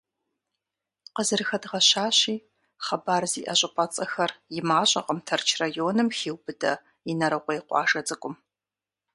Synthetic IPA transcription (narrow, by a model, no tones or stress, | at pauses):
qəzɨrɨxɐdʁɐɕaːɕiː | χɐbaːrziːʔɐɕʼɪpʷʼɐt͡sʼɐxɐrjɪmaːɕʼɐqəmtʰɐrt͡ʃʰrajoːnɨmxiːwbɨdɐ | ɪnɐɾɐqʷojqʷɑ̰ːʂɐd͡zɨkʷʼʊm